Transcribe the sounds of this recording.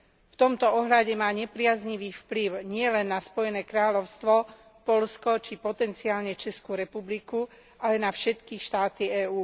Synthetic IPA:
ft̪ɔmt̪ɔɔɦʎaɟɛmaːɲɛpɾɪazɲiʋiːfpliʊɲɪɛlɛnːaspɔjɛnɛːkɾaːʎɔʊst̪ʋɔ | pɔʎskɔt͡ʃipɔt̪ɛnt͡siaːlɲɛt͡ʃɛskuɾɛpubliku | ʔalɛnafʃɛt̪kiʃt̪aːt̪iɛːuː

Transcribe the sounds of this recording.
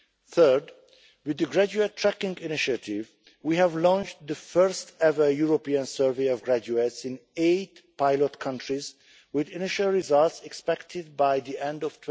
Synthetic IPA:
θɜ˞d | wɨðɨɡɹæd͡ʒuetʰːɹækɪ̃ŋɡɪnɪʃətɪv | wihævlɔ̃nt͡ʃðəfɜɹstɛvəjuɹopiãnsɜɹveɪɔvɡɹæd͡ʒuetsɪ̃neɪtpaɪlɔtkʰʌ̃ntɹiz | wɪðɪnɪʃalˠɹɪzʌltsɛkspɛktʰɪd̚baɪðiʔɛ̃ndɔv̥tʰ

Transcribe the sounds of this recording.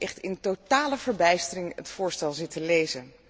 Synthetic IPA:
ʔɛχtɪntotaːləvəɹbɛjstərɪŋə̰tfʊːɹstɛlˠzɪtəlejzən

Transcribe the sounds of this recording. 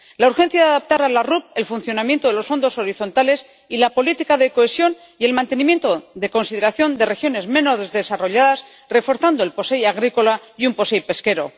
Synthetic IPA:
lauɾxe̞n̟θjaðaðap̚t̪aɾalarup̚e̞lfunθjo̞namjent̪o̞ðe̞lo̞sfo̞nd̪o̞so̞ɾiθo̞nt̪ale̞s | ilapo̞lit̪ikaðe̞koesjo̞n | ie̞lmãnt̪e̞nĩmje̞nt̪oðe̞ko̞nsiðe̞ɾaθjo̞nd̪e̞re̞xjo̞ne̞zmẽ̞no̞ðezðe̞saro̞ʎaðas | re̞fo̞ɾθand̪o̞e̞lpo̞sejaɣ̞ɾiko̞laumpo̞sejpe̞ske̞ɾo̞

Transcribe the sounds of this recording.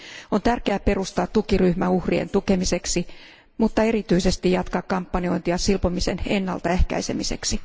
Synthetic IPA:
ont̪ærkeæpe̞rust̪ɑːt̪tukiryhmæuhriḛnt̪ukemise̞ksi | mut̪ːɑe̞rit̪yisest̪ijɑt̪kɑkkɑmpːɑnio̞int̪iɑsilpomisḛnenːɑ̰lt̪ɑehkæ̰isemise̞̰ksi

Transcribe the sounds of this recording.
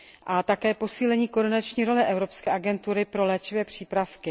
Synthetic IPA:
ʔat̪akɛːpo̞siːlɛɲiːkodɪnat͡ʃɲiːɾo̞lɛʔɛvɾo̞pskɛːʔaɡɛnt̪uɾɪpɾo̞lɛːt͡ʃɪvɛːpr̝̥iːpɾafkɪ

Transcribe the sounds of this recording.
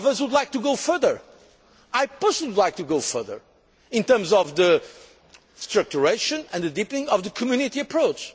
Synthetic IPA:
vəzwud̪ˡlˠajk̚t̪uɡoʊfɜ˞ðə˞ | ajposwud̪laɪk̚t̪uɡoʊfɜ̰˞ðə̰˞ | ɪ̃ntɜ̃˞mzɔvðɨ | stɹɨk̚t͡ʃuɹeɪʃɨ̃nɨ̃nðɨdipnɪ̃ŋʌvðɨkʰɔmjʉnɪtiɨpʰɹoʊt͡ʃ

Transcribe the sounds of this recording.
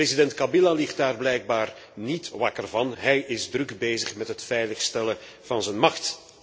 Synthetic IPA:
ezidɛntkɑbilalɪxt̚daːrblɛjɡ̚baːr | nitʋɑkərvɑnɦɛjɪzdrɵɡbeːzəχmɛtɦətfɛjləxstɛlə | v̥ɑnzɛnmɑxt

